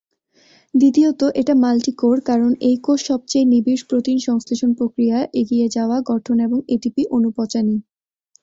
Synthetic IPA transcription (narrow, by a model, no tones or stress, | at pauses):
d̪it̪iot̪oʔeʈamalʈikoɾkaɾonejkoʃʃɔb̚t͡ɕejnibiʃpɾot̪inʃɔŋst̪eʃonpɾokɾijaʔeɡied͡ʑaoaɡɔʈʰoneboŋeʈipiʔonupɔt͡ɕani